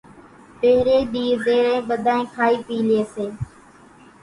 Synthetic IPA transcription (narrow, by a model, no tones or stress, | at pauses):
peːɾeːɗiːɾd̪eːɾẽːɓəd̪ʱaːẽːkʰaːiːpiːleːseː